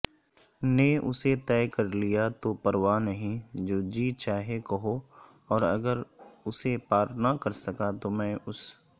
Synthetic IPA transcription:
neʔʊ̰set̪ɛːkɐɾlijat̪opɐɾwaːnɐɦĩd͡ʒoːd͡ʒiːt͡ʃaːɦekɐɦo | ɔːɾɐ̰ɡəɾʊsepaːɾnakɐɾsɐkat̪omɛ̃ːʊs

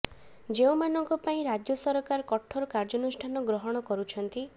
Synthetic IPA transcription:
d͡ʒeũmanɔŋkɔpaĩɾad͡ʒjɔsɔɾɔkaɾɔkɔʈʰːɔɾɔkaɾd͡ʒɔnusʈʰanɔɡɾɔɦɔɽ̃ɔkɔɾut͡ʃʰɔnt̪i

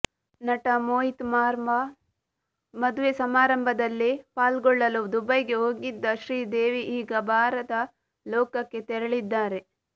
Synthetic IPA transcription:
nɐʈɐmoːɦit̪maːɾmbʱɐ | mɐd̪uʋesɐmaːɾɐmbʱɐd̪ɐlːipaːlɡɔɭːɐlud̪ubɐjɡe̞oːɡid̪ːɐʃɾiːd̪eːʋiʔːɡɐbʱaːɾɐt̪ɐ | lɔːkɐkːe̞t̪ɛɾɐɭid̪ːaːɾe̞

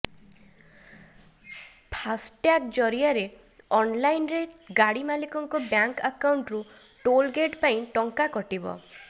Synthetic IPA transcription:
pʰasʈʈjak̚d͡ʒɔɾiaɾe | ɔnlajnɾeɡaɽimalikɔŋkɔbjaŋkakawɳʈɾu | ʈolɡeʈpaĩʈɔŋkakɔʈibɔ̰

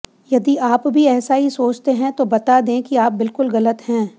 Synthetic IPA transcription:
jɐd̪iʔaːpbʱiɛːsaɦisoːt͡ʃt̪eɦɛ̃t̪obɐt̪ad̪ẽːkiaːp̚bɪlkʊlɣɐlət̪hɛ̃ː

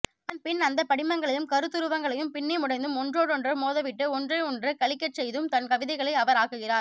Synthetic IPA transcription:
anpɪnɐnd̪ɐpɐɽɪmɐŋɡɐɭɐjɯmkɐɾɯt̪ːɯɾɯʋɐŋɡɐɭɐjɯmpɪnːɛmʊɽɐɪnd̪ɯmɔndroːɽɔndrɐmoːðɐʋɪʈːɯɔndrɐɪɔndrɐkɐɭɪkːɐʈt͡ʃɛjðɯmt̪ɐnkɐʋɪðɐɪɣɐɭɐɪɐʋɐɾaːkɯɣɪraːɾ

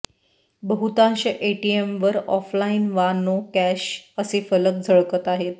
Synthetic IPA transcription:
bəɦut̪ãɕəʔeʈiemʋəɾɔflainʋanokæɕəsefələk̚d͡zʱəɭkət̪aɦet̪

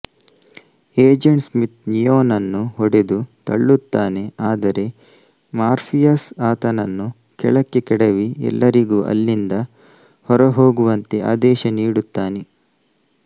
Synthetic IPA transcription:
eːd͡ʒeɳʈsmit̪nijoːnɐnːuɦɔɽe̞d̪ut̪ɐɭːut̪ːaːne̞aːd̪ɐɾe̞ | maːɾpʰijasaːt̪ɐnɐnːu | kɛɭɐkːe̞kɛɽɐʋiɛ̰lːɐɾiɡuːʔɐ̰lːind̪ɐ | hɔɾɐɦo̞ːɡuʋɐnt̪e̞ʔa̰ːd̪ɛːʃɐniːɽut̪ːaːne̞

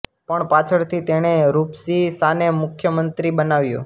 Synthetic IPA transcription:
pəɳpat͡ʃʰəɽt̪ʰit̪eɽ̃eɾupsisanemʊkʰjəmənt̪ɾibənaʋjṵ̃

